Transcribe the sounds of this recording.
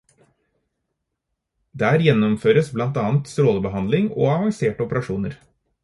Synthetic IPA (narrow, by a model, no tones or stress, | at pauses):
d̪æːɾjɛnɔmføːɾəsblɑnt̪ɑːnt̪st̪ɾoːləbəhɑnd̪lɪŋo̰ːɑʋɑŋseːʈɔpəɾɑʃuːnəɾ